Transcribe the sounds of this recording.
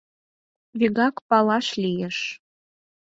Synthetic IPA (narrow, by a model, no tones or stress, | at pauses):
βiɣɑkpɑlɑʃlʲijeʃ